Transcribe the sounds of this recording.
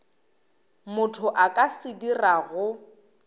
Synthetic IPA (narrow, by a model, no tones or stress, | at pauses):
mʊtʰʊʔakʼasɪdiraɣʊ